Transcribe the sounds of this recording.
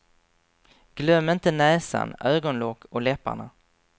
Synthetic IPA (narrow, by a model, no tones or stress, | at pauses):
ɡ̥lœmːɪnt̪ənɛːsa̰nʔøːɡɔnlɔkʰːɔlɛpːa̰ɳa